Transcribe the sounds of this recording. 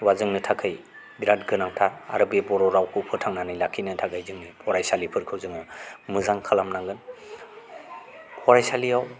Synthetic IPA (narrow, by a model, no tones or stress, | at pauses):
wazɯŋnɯtʰakʰɯj | biɾat̚ɡɯnaŋtʰaa̰ɾɯbebɔɾɔɾawkʰupʰɯɾtʰaŋnanɯjlakʰinɯtʰaɡajzɯŋnipʰɔɾajsalipʰɯɾkʰɯwzɯŋɯmɯzaŋkʰalamnaŋɡɯn | pʰɔɾajsaliaw